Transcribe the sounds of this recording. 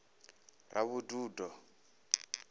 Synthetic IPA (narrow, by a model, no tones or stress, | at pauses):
rʔa̰βuduːdɔ